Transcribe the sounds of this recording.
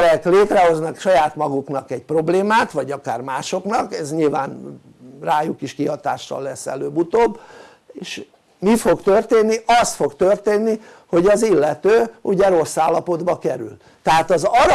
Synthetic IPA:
ɾɛkleːt̪rɛɦo̞znɒkʃɒjaːt̪mɒɡuknɒkɛɟ̚pro̞bleːmaːt̪ʋɒɟɒkaːrmaːʃo̞knɒkɛzɲilva̰ːn | raːjukiʃkiɦɒt̪a̰ːʃtɒ̰lːɛsːɛ̰løːbut̪oːbː | eːʃ | mifo̞ɡt̪ørt̪eːnːiʔɒst̪fo̞ɡt̪ørt̪eːnːi | ho̞ɟɒzilːɛt̪øːuɟɛɾo̞sːaːlːɒpo̞d̪bɒkɛɾy̰l | t̪ɛɦaːt̪ɒzɒɾ

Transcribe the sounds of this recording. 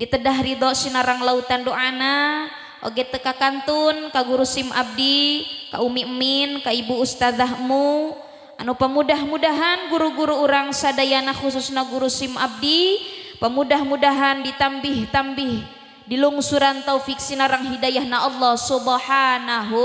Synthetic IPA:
dit̪ədaɦɾid̪ɔʔsinaɾaŋlaut̪andoʔana | ʔo̰ɡɛt̪əkakant̪unkaɡuɾusimʔa̰b̚dika̰ʔumiʔəminkaibuːst̪ad̪aɦmu | ʔanupəmudaɦmudaɦanɡuɾuɡuɾuːɾaŋsadajanaxus̬usnaɡuɾusima̰b̚dipəmudahmudaɦandit̪ambɪht̪ambɪh | diluŋsuɾant̪aufik̚sinaɾaŋɦidajahnaɔlːɔhsubaħanaɦu

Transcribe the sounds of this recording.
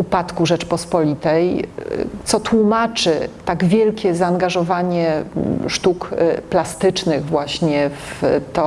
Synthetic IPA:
upat̪kuʐɛt͡ʂpɔspɔlʲit̪ɛj | t̪sɔt̪wumat͡ʂɘt̪aɡvʲjɛlkʲɛzaːŋɡaʐɔvaɲɛʂt̪ukplast̪ɘt͡ʂnɘɣvwaɕɲɛft̪ɔ

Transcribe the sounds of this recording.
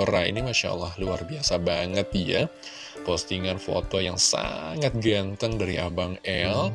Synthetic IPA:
əɾaḭnimaʃa̰lːahluarbiasabaŋət̪̚ija | post̪iŋanfo̰t̪ojaŋsa̰ŋat̪̚ɡant̪əŋdaɾiʔabaŋɛl

